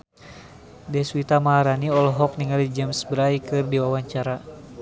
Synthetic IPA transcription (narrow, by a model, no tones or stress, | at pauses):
dɛswit̪amaɦaɾaniɔlɔɦɔk̚niŋalid͡ʒɛmsbəɾaikɨrdiwawaɲt͡ʃaɾa